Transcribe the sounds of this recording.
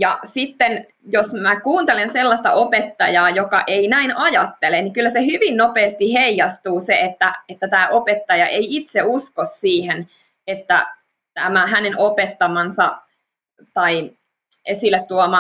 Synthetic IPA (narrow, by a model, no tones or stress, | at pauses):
jɑsit̪ːen | josmækuːnt̪elenselːɑst̪ɑ̰ʔopet̪ːɑjɑːjokɑʔeinæinʔɑjɑt̪ːeleniŋkylːæsehyʋinnopeːst̪iheijɑst̪uːseet̪ːæet̪ːæt̪æːʔopet̪ːɑjɑʔeiit̪seuskossiːhen | et̪ːæ̰ | t̪æmæɦænenʔopet̪ːɑmɑnsɑ | t̪ɑi | esilːet̪tuomɑ